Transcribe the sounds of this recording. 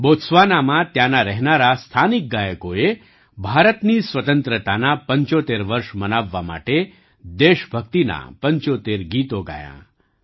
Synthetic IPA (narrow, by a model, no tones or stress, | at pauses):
bot̪sʋanamãt̪janaɾɛɦnaɾast̪ʰanik̚ɡajəkoe | bʱaɾət̪nisʋət̪ənt̪ɾət̪anapəɲt͡ʃot̪eɾʋəɾʂmənaʋːama̰ʈe | d̪eʃbʱək̚t̪ina̰pəɲt͡ʃot̪eɾɡiːt̪oɡa̰jã̰